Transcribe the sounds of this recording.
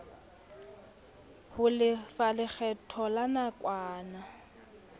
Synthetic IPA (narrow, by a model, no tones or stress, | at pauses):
hʊlɪfalɪk͡xɛtʰɔlanakʼwaːna